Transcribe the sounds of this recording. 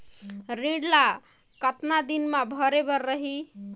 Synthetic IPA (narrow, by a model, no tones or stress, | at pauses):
ɾiɽla | kət̪nad̪inmabʱəɾebəɾːəɦi